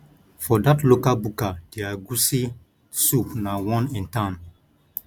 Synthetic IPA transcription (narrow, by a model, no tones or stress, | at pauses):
fɔdatlokalbukad̥eaɡusi | supnawɔ̃nĩntãn